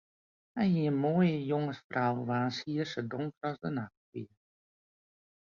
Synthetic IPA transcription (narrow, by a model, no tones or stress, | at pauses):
hɛjɦiənmoːəjəjoŋəsfrawʋaːnshiərsədʊŋkərɔzdənaxtiə